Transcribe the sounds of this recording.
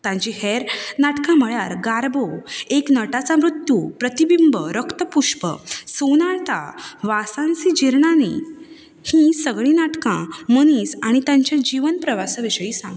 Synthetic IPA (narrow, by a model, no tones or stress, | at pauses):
t̪ãɲt͡ɕiɦeɾnaʈkãm̤əɭjaɾɡaɾboeknəʈat͡samɾut̪jupɾət̪ibimbəɾəkt̪əpuʂpə̰sunaɾt̪a̰ʋasãnt͡sid͡ʑiɾɳanḭ | hĩsəɡɭĩnaʈkãməniːsaɽ̃it̪ãɲt͡ɕjãd͡ʑiʋənpɾəʋasəʋiɕəjiːsã̰ŋɡ